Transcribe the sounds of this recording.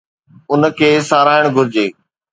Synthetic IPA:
ʊnkʰeːsaːɾaːɪɽ̃ɡʱʊɾɪd͡ʑeː

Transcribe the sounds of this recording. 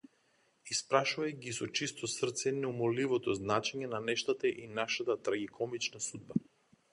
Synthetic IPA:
ispɾaʃuvajɡisɔt͡ʃist̪ɔsr̩ɾt̪sɛnɛumɔlivɔt̪ɔznat͡ʃɛɲɛnanɛʃt̪at̪aʔinaʃat̪at̪ɾaɡikʰɔmit͡ʃnasud̪̚ba

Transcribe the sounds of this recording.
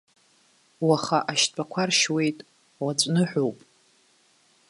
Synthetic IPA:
waχaʔaʃʼakʷʰarʃwe̞jtʼ | wat͡sʷʼnɨħʷᶣowpʼ

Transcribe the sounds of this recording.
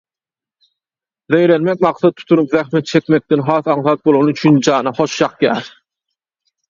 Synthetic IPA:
ðejɾenmek̚ʲmɑqθɑt̪ʰːu̥t̪ʰunupðæxmet̪̚t͡ʃʰe̞kʲme̞k̚t̪enɦɑːθɑɴθɑt̪̚bolˠonuyt͡ʃʰynd͡ʒɑːnɑχo̞ʃjɑqjæ̰ːɾ

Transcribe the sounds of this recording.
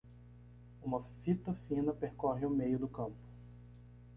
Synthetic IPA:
ũmɐfit̪ɐfĩnɐpeɾkɔɦɪʊmejʊd̪ʊkɐ̃mpʊ̥

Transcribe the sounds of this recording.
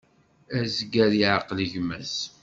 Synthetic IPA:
æzɡæɾiʕaqləʝmæs

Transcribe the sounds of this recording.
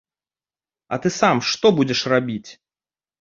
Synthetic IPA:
ɐ̰t̪ɨsamʂt̪ɔbud͡zʲɛʂrabʲit͡sʲ

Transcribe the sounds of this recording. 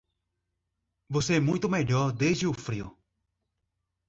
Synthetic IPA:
voseɛmũj̃t̪ʊmeʎɔɾd̪ezd͡ʒɪʊfɾiʊ̰

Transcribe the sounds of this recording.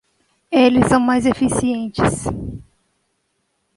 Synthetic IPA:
elɪsːɐ̃w̃majzefisiẽnt͡ʃɪs

